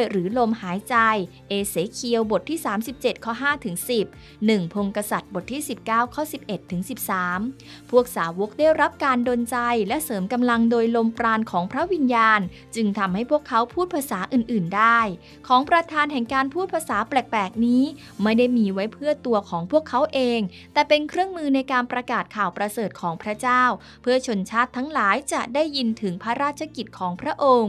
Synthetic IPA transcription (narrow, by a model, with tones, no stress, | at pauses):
jɾɯː˩˦lo˧mhaː˩˦jt͡ɕa˧j | ʔeː˧seː˩˦kʰi˧əwbo˨˩t̪ʰːiː˥˩saː˩˦msi˨˩p̚t͡ɕe˨˩t̪̚kʰɔ˦˥ɦaː˥˩t̪ʰɯ˩˦ŋsi˨˩p̚ | nɯ˨˩ŋpʰo˧ŋka˧sa˨˩t̪̚bo˨˩t̪ʰːiː˥˩si˨˩p̚kaː˥˩wkʰɔː˥˩si˨˩p̚ʔe˨˩t̪ʰːɯ˩˦ŋsi˨˩p̚saː˩˦m | pʰu˥˩ək̚saː˩˦wo˦˥k̚daː˥˩jɾa˦˥p̚kaː˧ndo˧nt͡ɕa˧jlɛ˦˥ʔsɤː˩˦mka˧mla˧ŋdoː˧jlo˧mpɾaː˧nkʰɔː˩˦ŋpʰɾa˦˥wi˧njaː˧n | t͡ɕɯ˧ŋt̪ʰa˧mha˥˩jpʰu˥˩əkʰːa˦˥wpʰuː˥˩t̪̚pʰa˧saː˩˦ʔɯː˨˩nʔɯː˨˩ndaː˥˩j | kʰɔː˩˦ŋpɾa˧t̪ʰaː˧nɦɛ˨˩ŋkaː˧npʰuː˥˩t̪̚pʰa˧saː˩˦plɛ˨˩k̚pɛː˨˩k̚niː˦˥ | ma˥˩jda˥˩jmiː˧wa˦˥jpʰɯ˥˩ət̪u˧ɐkʰɔː˩˦ŋpʰu˥˩əkʰːa˦˥wʔeː˧ŋ | t̪ɛː˨˩pe˧nkʰɾɯ˥˩əŋmɯː˧na˧jkaː˧npɾa˧kaː˨˩t̪̚kʰaː˨˩wpɾa˧sɤː˨˩t̪̚kʰɔː˩˦ŋpʰɾa˦˥t͡ɕaː˥˩w | pʰɯ˥˩ɐt͡ɕʰo˧nt͡ɕʰaː˥˩t̪ʰːa˦˥ŋlaː˩˦jt͡ɕa˨˩ʔdaː˥˩jːi˧nt̪ʰɯ˩˦ŋpʰa˦˥ɾaː˥˩t̪̚t͡ɕʰa˧ki˨˩t̪̚kʰɔː˩˦ŋpʰɾa˦˥ʔo˧ŋ